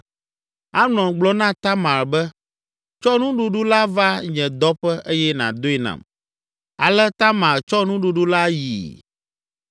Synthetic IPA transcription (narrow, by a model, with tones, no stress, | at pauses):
a˦nɔ̃˨ɡ͡blɔ˦nã˦t̪a˦mã˨ɾbɛ˦ | t͡ʃɔ˦nũ˦ɖu˨ɖu˦la˦va˦ɲɛ̃˨d̪ɔ˦ɸɛ˦ʔe˦jɛ˦nã̰˨d̪o˦ɛ˦nã̰˨m | a˨lɛ˦t̪a˦mã˨ɾt͡ʃɔ˦nũ˦ɖu˦ɖu˦la˦ji˨